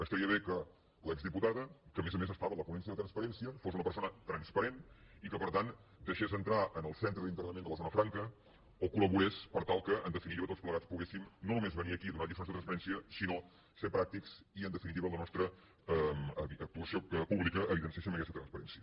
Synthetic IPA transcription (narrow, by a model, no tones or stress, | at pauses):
əst̪əɾiəβekə | lɛɡzðiput̪aðəkəmezəmezəst̪aβələpunɛns̬iəðət̪ɾənspəɾɛnsiəfosunəpəɾsonət̪ɾənspəɾenikəpəɾt̪an | d̪əʃezənt̪ɾaʔənəlˠsent̪ɾəðint̪əɾnəmend̪ələzonəfɾaŋkə | okuləβuespəɾt̪alˠkəənd̪əfinit̪iβət̪ot͡sspləɣat͡spuɣesimnonumezβəniəkiðunad̪ifɾonsðət̪ɾənspəɾɛnsiəsino | seɾpɾak̚t̪iksiənd̪əfinit̪iβələnɔst̪ɾə | əməək̚t̪uəsiopuβlikəʔːβiðənsiesiməkɛst̪ət̪ɾənspəɾɛ̰nsiə